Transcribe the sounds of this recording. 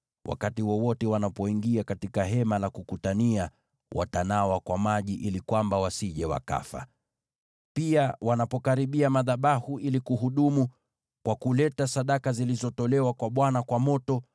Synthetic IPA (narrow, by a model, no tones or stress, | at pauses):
wʔa̰katiwɔwɔtɛwanapɔiŋɡiakatikaɦɛmalakukutania | wʔa̰tanawakwamaʄiʔilikwambawasiʄɛwa̰ka̰fa̰ | piawanapɔkaɾiɓiamaðaɓahuilikuɦuɗumu | kwakulɛtasaɗakazilizɔtɔlɛwakwaɓwanakwamɔtɔ